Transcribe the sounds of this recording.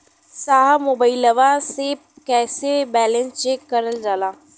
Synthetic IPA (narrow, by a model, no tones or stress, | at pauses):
saːɦamoːbaːiləʋaːseːp̚ | kɛːsebɛːlə̃nst͡ʃeːkːəɾəld͡ʒaːlaː